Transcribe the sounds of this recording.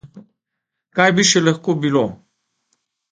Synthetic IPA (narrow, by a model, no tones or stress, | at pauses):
kajbiʃɛlɐxkobilo